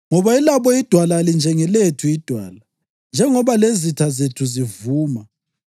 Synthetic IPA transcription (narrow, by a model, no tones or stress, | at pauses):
ŋɔβailaβɔid̥ʱwalalind͡ʒʱɛŋɛletʰuid̥ʱwaːla | nd͡ʒʱɛŋɔβalezitʰazetʰuzivuːma